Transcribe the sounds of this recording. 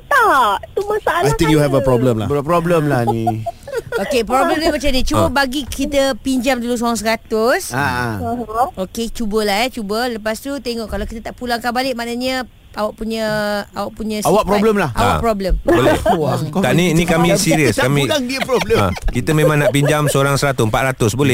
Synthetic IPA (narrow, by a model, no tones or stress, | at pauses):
t̪aʔt̪umasaaajt̪ĩŋkjuhɛvəpɾɔbləmla̰bpɾɔbləmlahni | okepɾobləmdimat͡ʃamnĩt͡ʃubəbaɡikit̪əpiɲd͡ʒamdulus̬oaŋs̬əɡat̪ʊsa | oket͡ʃubəlaɦɛt͡ʃubələpast̪ut̪eŋɔʔkalawkit̪ət̪aʔpulaŋkanbalɪʔ̚manəɲə | awaʔpuɲə̃awaʔpuɲə̃sawaʔpɾɔbləmlaha̰aʔpɾɔbləmbolɛwkt̪aʔniinikamĩsiɾiəskamĩaŋdiəpɾɔbləa̰kit̪əmẽmãŋnaʔpiɲd͡ʒamsəoɾaŋsəɾat̪ʊmpaʔ̪ɾat̪ʊsbolɛh